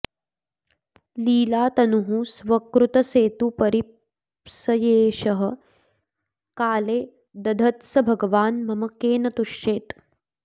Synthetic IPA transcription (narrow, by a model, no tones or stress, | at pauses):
liːlaːt̪ɐnuɦũsʋɐkɾut̪ɐseːt̪upɐɾi | sɐjeːʃɐɦɐ̆ | kaːleː | d̪ɐd̪ʱɐt̪sɐbʱɐɡɐʋaːnmɐmɐkeːnɐt̪uʃeːt̪